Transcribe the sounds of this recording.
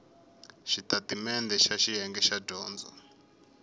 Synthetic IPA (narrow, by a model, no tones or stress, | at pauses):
ʃitatimɛndɛʃaʃijɛŋɡɛʃaɟɔːnd͡zɔ̰